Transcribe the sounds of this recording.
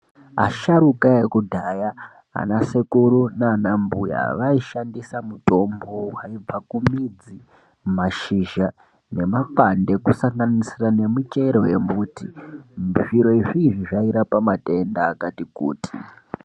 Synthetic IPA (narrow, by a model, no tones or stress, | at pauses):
a̰ʃaɾukajekudʱaja | a̰nasekuɾunaːnambṵja̰ʋaiʃandisamuto̞mbowaib͡vakumid͡zi | maʃiʒa | ne̞makwande̞kusaŋɡanisirane̞mut͡ʃeɾowe̞mbuːtimʐiɾo̞iʐiːʐiʐaiɾapamate̞ndaːkatikṵːti̥